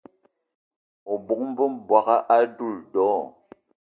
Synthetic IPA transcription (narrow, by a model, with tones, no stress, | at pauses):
o˨bu˨k̚m˦bə˦mbwa˨ka˦ʔa˦du˦˨ldɔ˨˦